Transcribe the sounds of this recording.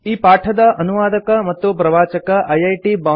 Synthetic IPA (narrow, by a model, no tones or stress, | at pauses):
iːpaːʈʰɐd̪ɐɐnuʋaːd̪ɐkɐmɐt̪ːupɾɐʋaːt͡ʃɐkɐʔɐjɐjʈiːbaː